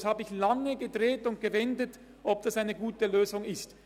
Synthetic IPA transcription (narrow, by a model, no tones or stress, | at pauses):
shaːbəɪçlaŋəɡədʁeːtʊnt̚ɡ̥əvɛndət | ʔɔb̚d̥asaɪnəɡuːtəløːzʊŋɪst